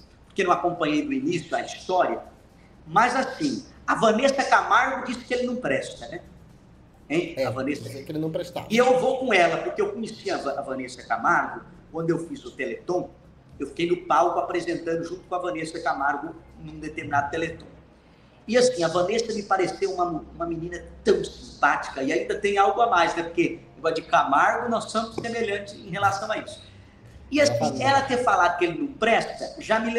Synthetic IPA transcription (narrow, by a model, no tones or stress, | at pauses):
poɾkenɐ̃w̃akõmpɐ̃ɲejd̪ʊinisjʊɐist̪ɔɾiɐ | mɐzasĩ | ɐvɐ̃nesɐkamaɾɡʊd͡ʒisɪ̥kɪelɪnɐ̃w̃pɾɛst̪ɐnɛ | ẽj̃avɐ̃nesɐkelɪnɐ̃w̃pɾest̪a̰ɪewvokõɛlɐpoɾkeewkõɲesiɐvɐːvɐ̃nesɐkamaɾɡʊ | k̚wɐ̃nd̪ʊewfizʊt̪elet̪õw | ewfi̥kejnʊpawkʊapɾezẽnt̪ɐ̃nd̪ʊʒũt̪ʊ̥kõɐvɐ̃nesɐkamaɾɡʊnũd̪et̪eɾminad̪ʊt̪elet̪õ | ɪasĩɐvɐ̃nesɐmɪpaɾesewũmɐũmɐmĩnĩnɐt̪ɐ̃w̃sĩmpat͡ʃi̥kɐɪaĩnd̪ɐt̪ẽj̃awɡʊamajznɛpoɾkeẽɡɔɾd͡ʒɪkamaɾɡʊnɔsːõmʊssːemeʎɐ̃nt͡ʃɪzḛ̃j̃ɦelasɐ̃w̃aisʊ̥ | ɪasĩɛɾɐt̪eɾfalad̪ʊkɪelɪnɐ̃w̃pɾɛst̪ɐʒamɪl